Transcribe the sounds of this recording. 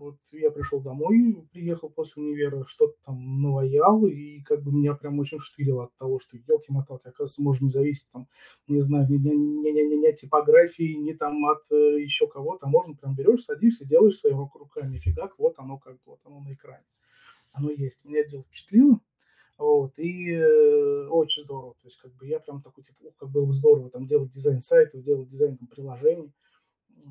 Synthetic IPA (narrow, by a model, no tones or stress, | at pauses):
vo̞t̪japɾʲɪʂlolˠd̪ɐmo̞jpɾʲɪjexəlˠposʲlʲɪʊnʲɪvʲeɾəʂt̪o̞t̪ə̥t̪amnəvɐjalˠikaɡ̚bɨmʲɪnʲapɾʲamo̞t͡ɕɪnʲfʂt̪ɨɾʲɪlˠəɐt̪ːɐvo̞ʂt̪o̞jelˠkʲɪjmɐt̪alˠkʲɪjaksmoʐt̪nʲɪzɐvʲisʲɪ̥t̚ʲt̪am | nʲɪznajʊnʲɪnʲnʲnʲnʲnʲɪɐttʲːɪpɐɡɾafʲɪːnʲɪt̪amɐt̪jɪɕːo̞kɐvo̞t̪əɐmo̞ʐnəpɾʲambʲɪɾʲo̞ʂsɐdʲimsʲədʲelˠəjɪʂsvɐjimɐkɾʊkamʲɪfʲɪɡakvo̞t̪ɐno̞kaɡ̚bvo̞t̪ɐno̞nəɪkɾanʲɪ | ɐno̞jesʲtʲmʲɪnʲadʲelˠfpʲɪ̥t͡ɕɪ̥t̪lʲinə | vo̞t̪i | o̞t͡ɕɪnʲzd̪o̞ɾəvət̪o̞jɪsʲtʲkaɡ̚bɨjapɾʲamt̪ɐkojtʲipukaɡ̚bolˠbəzd̪o̞ɾəvət̪amdʲelˠət̚ʲdʲɪzajnsajt̪əfdʲe̞lˠət̚ʲdʲɪzajnt̪ampɾʲɪlˠɐʐɛnʲɪjə